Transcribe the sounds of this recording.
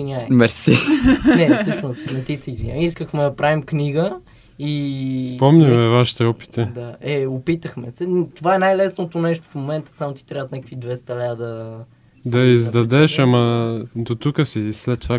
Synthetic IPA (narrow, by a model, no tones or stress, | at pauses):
inʲaɛmɛɾsinɛsəʃnʊst̪nɛt̪isɛizvinʲɲa̰iskəxmɛd̪ɐpɾavimkniɡə | ipɔmɲʲimɛvaʃi̥t̪ɛɔpi̥t̪ɛd̪aɛopit̪əxmɛsɛt̪ovaɛnajlɛsnot̪onɛʃt̪o̥fmomɛnt̪ə̥samot̪i̥t̪ɾʲaət̪nɛkə̥kvid̪vɛst̪ɐlad̪ɐ | d̪ɐizd̪ɐd̪ɛʃamɐd̪ot̪ukəsislɛt̪ːova